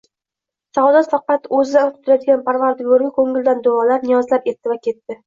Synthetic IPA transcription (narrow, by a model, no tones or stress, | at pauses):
sawd̪ɒt̪fɑqɑt̪ɵzɪd̪at̪ʰʊ̥t̪ʰʊɾajd̪ɪɡʲanpʰaɾvaɾd̪ɪɡoɾɡʲɪkʰɵŋɪld̪and̪oɒlaɾnɪjɒzlape̞t̪ːɪvakʲʰe̞t̪ːɪ